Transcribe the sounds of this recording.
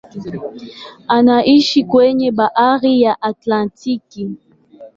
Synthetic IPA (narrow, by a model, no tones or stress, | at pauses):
anaʔiʃikwɛɲɛɓaʔaɣijaʔatlãntiki